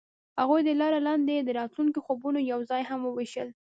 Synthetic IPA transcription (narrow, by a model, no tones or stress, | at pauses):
haɣujd̪əlɑɾalɑnd̪ed̪əɾɑt̪lunkoxobunojawzɑjɦamwəweʃəl